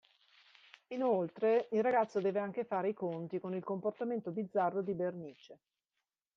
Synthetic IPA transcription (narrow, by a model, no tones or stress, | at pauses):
inolt̪ɾeilrːaɡat̪sːod̪ɛːveaŋk̟efaːɾeikont̪ikonilkomport̪ament̪obid̪zːarːod̪iberniːt͡ʃe